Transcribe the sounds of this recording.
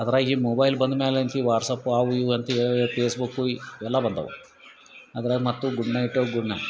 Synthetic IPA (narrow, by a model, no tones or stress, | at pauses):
ɐðɐɾaːɡimobɐjlbɐnd̪umeːlent̪ʰiʋaːɾsɐpːuaːʋujuɐnt̪ipeːsbukːuiɛlːabɐnd̪ɐ̰ʋṵ | ɐd̪ɐɾaːɡimɐt̪ːuɡuɖnɐjʈːoɡuɖnɐ